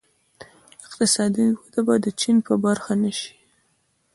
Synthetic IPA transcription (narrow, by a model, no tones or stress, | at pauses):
ɪqt̪ɪsɑd̪iwod̪abɑd̪ət͡ʃinpəbaɾxanaʃi̥